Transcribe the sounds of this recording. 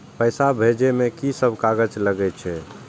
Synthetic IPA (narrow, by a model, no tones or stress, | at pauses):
pəjsabʱed͡ʒemekisəbʱkaɡət͡ʃləɡɛt͡ʃʰɛ